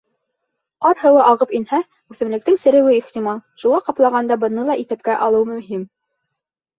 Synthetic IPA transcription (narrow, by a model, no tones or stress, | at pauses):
qɑɾhɤ̆wɤʔɑʁɤpinhæ | ʉθɘ̆mlɘ̆k̚t̪ɘŋsɘ̆ɾɘ̆wɘiχt̪ʲimɑlˠʃuʁɑqɑplˠɑʁɑnd̪ɑbɤ̆nɤlˠɑʔiθæp̚kæʔɑlˠɤwmɵ̆mɦim